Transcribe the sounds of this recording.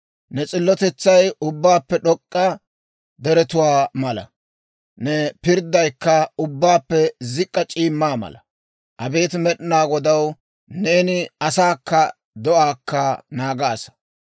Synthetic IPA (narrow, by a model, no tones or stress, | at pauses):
nɛt͡sʼɪlːɔt̪ɛt͡sːɐjʊbːaːpːɛɗɔkʼːɐ | d̪ɛɾɛt̪ʊwaːmɐlɐ̰ | nɛpɪɾd̪ɐjkːɐʊbːaːpːɛzɪkʼːɐt͡ʃʼiːmːaːmɐ̰lɐ | ʔɐbeːt̪mɛɗɪnaːɡɔd̪ɐw | neːnɪɐsaːkːɐ | d̪ɔʔaːkʰːɐnaːɡaːsɐ̥